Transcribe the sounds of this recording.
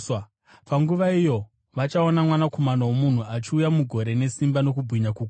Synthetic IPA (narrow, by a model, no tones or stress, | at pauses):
paŋɡuʋaijo̞ | ʋat͡ʃaonamwanako̞manawomun̤uat͡ʃiujamuɡʱo̞ɾe̞ne̞simbano̞k̬ubʱwiɲakuɡ